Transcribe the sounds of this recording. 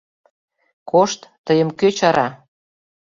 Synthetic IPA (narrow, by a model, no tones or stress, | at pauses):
koʃt̪ːəjəmkøt͡ɕɑɾɑ